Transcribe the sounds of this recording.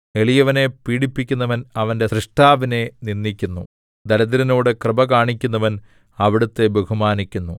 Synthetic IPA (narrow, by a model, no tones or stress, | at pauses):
e̞ɭijɐʋɐne̞piːɽipːikʲːunːɐʋɐnɐʋɐnde̞srɨʂʈaːʋine̞ninːikʲːunːu | d̪ɐlɐðiɾɐnoːɽɨkrɨbɐkaːɳikʲːunːɐʋɐn | ɐʋiɽut̪ːe̞beɣumaːnikʲːunːu